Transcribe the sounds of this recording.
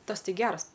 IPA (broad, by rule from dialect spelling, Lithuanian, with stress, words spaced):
ˈtɐs ˈtɐɪ ˈɡʲɛrs